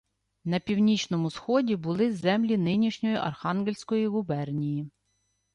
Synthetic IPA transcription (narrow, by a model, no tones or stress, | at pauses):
nɐpʲiwnʲit͡ʃnɔmʊsxɔdʲibʊlˠɪzɛmlʲinɪnʲiʃnʲɔjiʔɐ̰rxɑnɡelʲsʲkɔjiɣʊbɛrnʲiji